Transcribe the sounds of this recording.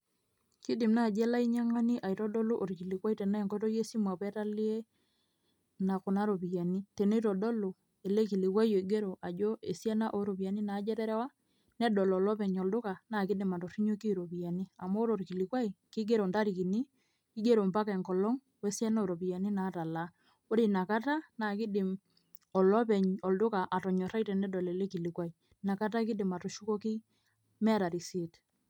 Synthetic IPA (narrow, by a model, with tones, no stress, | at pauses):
ki˦dɪ˨mna˦˨d͡ʒɛ˦la˦i˦ɲa˦ŋa˦ni˦ʔa˨i˨tɔ˦dɔ˦lo˦ʔo˨ɾki˨li˨kwa˦i˦tɛ˨na˦ɛ˨ŋkɔ˦tɔ˦je˦si˦mwa˨pɛ˦ta˦li˦e˦ | na˨kʊ˨na˦ɾo˨pi˨ja˨ni˦te˨no˦i˦tɔ˨dɔ˦lo˨ | e˨le˦ki˨li˨kwa˦jo˨i˨ɡe˦ɾo˨ʔa˨d͡ʒo˦ʔe˨sjɛ˦na˦ʔo˦ɾo˨pi˨ja˨ni˦na˨˦d͡ʒɛ˦ɾɛ˦ɾɛ˦wa˦ | nɛ˦dɔ˨lɔ˨lɔ˦pɛ˨ɲɔ˨ldʊ˦ka˨na˦˨kɪ˦dɪ˨ma˨tɔ˨ri˦ɲo˦ki˦˨ɾo˨pi˨ja˨ni˦a˨mɔ˦ɾo˨ɾki˨li˨kwa˦i˨ki˦ɡe˦ɾo˨nda˦ɾi˨ki˨ni˦ | ki˦ɡe˦ɾo˨mpa˦kɛ˨ŋkɔ˨lɔ˦ŋ | wɛ˦sjɛ˦no˦˨ɾo˨pi˨ja˨ni˦na˨˦ta˨la˦ | o˦ɾi˨na˨ka˦ta˦na˨ki˦dɪ˨m | ɔ˨lɔ˦pɛ˨ɲɔ˨ldʊ˦ka˨ʔa˨tɔ˨ɲɔ˨ɾa˦jtɛ˨nɛ˦dɔ˨lɛ˨le˦ki˨li˨kwa˦i˨ | na˨ka˦t̬a˦kɪ˦dɪ˨ma˨to˨ʃu˦kɔ˦ki˦ | mɛ˦a˦˨ta˨ɾi˨si˨t